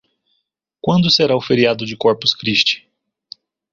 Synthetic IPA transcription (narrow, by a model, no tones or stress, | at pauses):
kwɐ̃nd̪ʊseɾaʊfeɾiad̪ʊd͡ʒɪkɔɾpʊskɾiʃt͡ʃɪ̥